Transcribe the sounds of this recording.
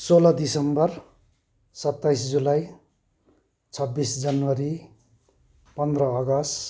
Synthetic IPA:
solʌd̪isʌmbʌr | sʌt̪ːajsd͡zulaj | t͡sʰʌbːisd͡zʌnwʌɾi | pʌnd̪rʌːɡʌs

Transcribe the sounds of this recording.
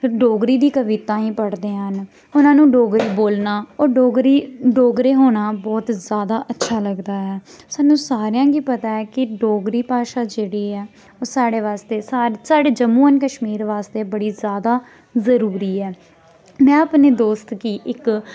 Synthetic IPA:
ɖoːɡɾiːd̪iːkəʋɪt̪ãːĩːpəɽd̪eːɦən | ʊnãːnũːɖoːɡɾiːboːlnaːoːɾoːɡɾiːɖoːɡɾeːɦoːnaːbɔːt̪zjaːd̪aːʔətːʃʰaːləɡd̪aːɦɛːsaːnũːsaːɾɪjãːɡiːpət̪aːɛːkɪɖoːɡɾiːpaːʃaːd͡ʒeːɽiːɛː | oːsaːɽeːʋaːst̪eːsaːɾsaːɖeːd͡ʒəmːuːənkəʃmiːɾʋaːst̪eːbəɽiːzjaːd̪aː | zəɾuːɾiːɛː | mɛ̃ːəpneːd̪oːst̪kiːʔɪk

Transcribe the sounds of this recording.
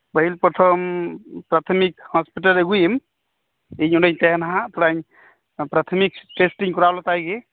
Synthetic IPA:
bəɦilpɾɔt̪ʰəmpɾat̪ʰəmikhɔspiʈəleɡujim | eɲuɖəɲt̪eɦnɦãt̪uɽaɲ | pɾat̪ʰmikʈesʈiŋkuɾawlɔt̪ajɡe

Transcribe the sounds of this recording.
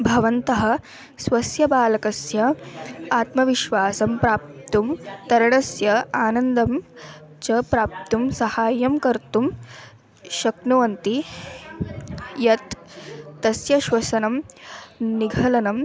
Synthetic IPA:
bʱɐʋɐnt̪ɐɦɐ̆ | sʋɐsjɐbaːlɐkɐsjɐaːt̪mɐʋiʃʋaːsɐmpɾaːp̚t̪umt̪ɐɾɐɳɐsjɐaːnɐnd̪ɐm | t͡ʃɐpɾaːp̚t̪umsɐhaːjɐmkɐɾt̪um | ʃɐknuʋɐnt̪i | jɐt̪ː | ɐsjɐʃʋɐsɐnɐm | niɡʱɐlɐnɐm

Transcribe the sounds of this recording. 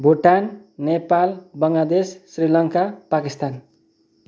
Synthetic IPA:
bʱuʈanːepalbʌŋlad̪esːrilʌŋkapakist̪an

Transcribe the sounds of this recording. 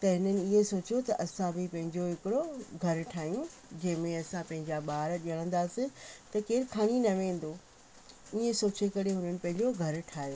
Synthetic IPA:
t̪ɐɦɪnənɪ̆iẽsoːt͡ɕijot̪ɐʔɐsãbɪpɐ̃ɦɪ̃ɲd͡ʑoɦɪkɪɽoɡʱɐɾʈʰaːijũd͡ʑɐ̃ɦɪ̃mẽɐsãpɐ̃ɦɪ̃ɲd͡ʑaɓaːɾɗiəɽ̃ə̃n̆d̪aːsĩt̪ɐkeːɾkʰaːɽ̃inɐʋẽːn̆d̪o | iẽsoːt͡ɕekɐɾeɦʊnənɪ̆pɐ̃ɦɪ̃ɲd͡ʑoɡʱɐɾʈʰaːjoː

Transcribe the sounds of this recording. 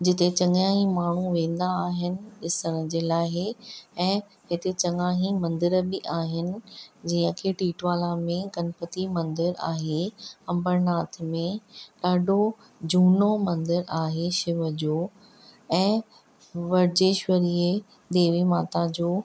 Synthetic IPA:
d͡ʑɪt̪et͡ɕɐ̃ŋãːɦĩmaːɳ̤uʋẽːn̆d̪aːɦɪnɪ̆ɗɪsəɽ̃əd͡ʑeːlaːɦeɛ̃ː | ɦɪt̪et͡ɕɐŋaːɦĩmɐ̃nd̪ɪɾbɪʔaːɦɪnɪ̆d͡ʑiːə̃kʰeʈiːʈʋaːlamẽɡɐnpət̪imɐ̃nd̪ɪɾa̰ːɦeɐ̃mbəɾnaːt̪ʰmẽɗaːɖʱo | d͡ʑuːnomɐ̃nd̪ɪɾaːɦeʃɪʋəd͡ʑoː | ɛ̃ː | ʋɐɾd͡ʑeːʃʋɐɾie | d̪eːʋimaːt̪ad͡ʑoː

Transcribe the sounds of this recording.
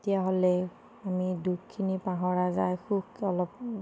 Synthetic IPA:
tijaɦolɛ | amidukkʰːinipaɦɔɹazajxukɔlɔp̚

